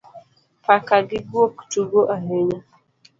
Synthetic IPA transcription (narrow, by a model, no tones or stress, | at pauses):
pʰakaɡɪɡuoku̥tuɡoʔaɦeɲa